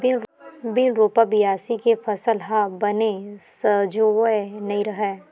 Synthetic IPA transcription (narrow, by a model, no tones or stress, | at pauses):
bɪnɾoːpabɪjaːsikefʰɐsəlɦabɐnesəd͡ʒoenɐiɾɐɦɛː